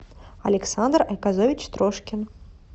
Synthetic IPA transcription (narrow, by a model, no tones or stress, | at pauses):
ɐlʲɪksand̪rɐjʲkazovʲɪt͡ɕst̪ɾɔʂkʲɪn